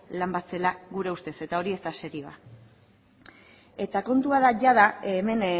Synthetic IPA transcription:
lambat͡se̞laɣuɾe̞ust̪e̞se̞t̪ao̞ɾie̞szt̪ase̞ɾiβa̰ | e̞t̪ako̞nt̪uað̞aʝaðaeme̞n

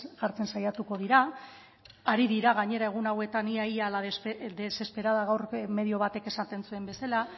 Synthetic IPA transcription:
ɣaɾt͡se̞nsajat̪uko̞ð̞iɾaː | ɾiðiɾaɣ̞aɲe̞ɾae̞ɣ̞unawe̞t̪aniaialaðd̪ese̞spe̞ɾaðaɣawrme̞ðio̞βat̪e̞ke̞sant̪e̞nsue̞mbe̞sala

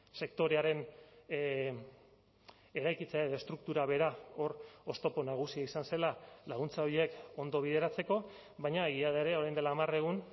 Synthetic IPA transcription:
se̞kt̪o̞ɾe̞aɾe̞n | e̞ɾajkit͡seaeðest̪ɾuk̚t̪uɾaβe̞ɾao̞ro̞st̪o̞po̞naɣ̞usiaisanse̞lalaɣ̞unt͡saoɾie̞ko̞nd̪o̞β̞ið̞e̞ɾat͡se̞ko̞ | βajɲaeɣiaðaeɾe̞o̞ɾajnd̪e̞laːmare̞ɣun

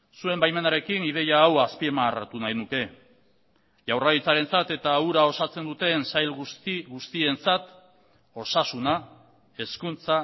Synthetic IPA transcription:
sue̞mbajme̞naɾe̞kinið̞e̞jaːwaspiemart̪unajnuke̞ | ʝawraðit͡saɾe̞nt͡sat̪e̞t̪auɾao̞sat͡se̞nd̪ut̪e̞nsajlɣusiɣust̪ie̞nt͡sat̪ | o̞sasuna | e̞skunt͡sa

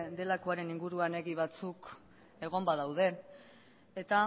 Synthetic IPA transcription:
d̪e̞lako̞aɾe̞niŋɡuɾuane̞ɣiβ̞at͡suk | e̞ɣ̞o̞mbaðawð̞e̞ | et̪a

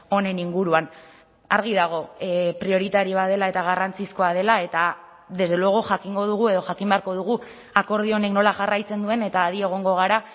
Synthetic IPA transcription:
o̞ne̞niŋɡuɾuan | aɾɣ̞iðaɣ̞o̞pɾio̞ɾit̪aɾioaðe̞lae̞t̪aɣ̞arant͡sisko̞að̞e̞lae̞t̪a | ðe̞zðelweɣ̞uʝakiŋɡo̞ð̞uɣ̞ue̞ð̞o̞ʝakimbe̞aɾko̞ð̞uɣu | ako̞ɾð̞io̞ne̞kno̞laʝarajt͡se̞nd̪ue̞ne̞t̪aːðie̞ɣ̞o̞ŋɡo̞ɣ̞aɾa

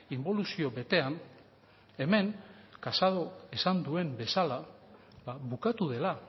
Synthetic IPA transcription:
imbo̞lusio̞βe̞t̪e̞an | e̞me̞ŋkasaðo̞esand̪ue̞mbe̞sala | βaβukat̪uðe̞la

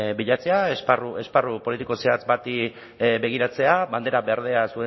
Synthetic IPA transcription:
biʎat͡se̞aesparue̞sparupo̞lit̪iko̞seat͡sbat̪i | be̞ɣ̞iɾat͡se̞aβand̪e̞ɾabe̞aɾðe̞asue

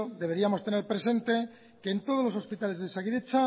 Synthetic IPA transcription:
d̪eβe̞ɾiamo̞st̪e̞neɾpɾe̞se̞nt̪e̞ | ke̞ːnt̪o̞ð̞o̞zloso̞spit̪ale̞zðesaɣiðet͡ʃa

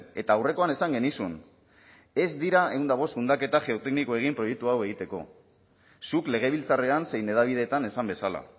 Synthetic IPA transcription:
e̞t̪aːwre̞ko̞ane̞saŋɡe̞nisun | e̞zd̪iɾae̞ɣund̪aɣ̞o̞sund̪ake̞t̪aʝe̞ot̪e̞knikoe̞ɣ̞impɾo̞jek̚t̪uawe̞ɣ̞it̪e̞ko̞̰ | sukle̞ɣ̞e̞β̞ilt͡sare̞anse̞jne̞ð̞aβið̞e̞t̪ane̞sambe̞sala̰

